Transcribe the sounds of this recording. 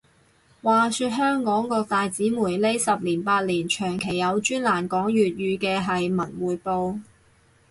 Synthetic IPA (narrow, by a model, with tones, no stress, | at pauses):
waː˨syː˧t̚ɦœː˥ŋkɔː˨˥ŋkɔː˧k̚t̪aː˨jt͡siː˨˥muː˨˩jle˥jsɐ˨p̚liː˨˩npaː˧t̚liː˨˩nt͡ʃʰœː˨˩ŋkʰe˨˩jːɐ˨˧wt͡ʃyː˥nlaː˨˩nkɔː˨˥ŋjyː˨t̚jyː˨˧kɛː˧ɦɐ˨jmɐ˨˩nwuː˨˩jpo˧w